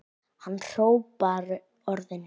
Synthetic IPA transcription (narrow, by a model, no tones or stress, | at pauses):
hanːr̥oːwpaɾʏ | ɔɾðɪn